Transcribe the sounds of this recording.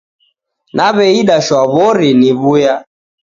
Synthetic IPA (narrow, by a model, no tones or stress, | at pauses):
naβɛiɗaʃwaβɔɾiniβuja